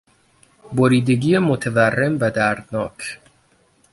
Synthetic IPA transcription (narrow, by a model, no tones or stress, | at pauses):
boɾiːd̪eɡijemot̪ʰeværːemvæd̪æɾd̪nɒːkʰ